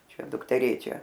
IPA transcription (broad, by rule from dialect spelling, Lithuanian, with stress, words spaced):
ˈt͡ʃʲɛ dʊktʲɛˈrʲeːt͡ʃʲɛ